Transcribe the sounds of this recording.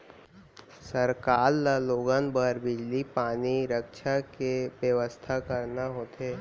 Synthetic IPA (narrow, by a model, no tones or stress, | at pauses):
səɾkaːɾlaloːɡənbəɾbɪd͡ʒlipaːniɾəkʃakeʋjəʋəst̪ʰakəɾnaɦoːt̪eː